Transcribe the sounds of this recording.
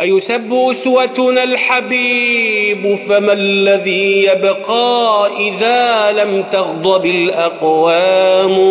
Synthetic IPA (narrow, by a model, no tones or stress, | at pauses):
ʔajʊsabːɪʔʊswat̪ʊnalħabiːbʊfamalːaðiːjabqɑːʔɪðaːlamt̪ɑɣd̪ˤɑbɪlʔɑqwaːm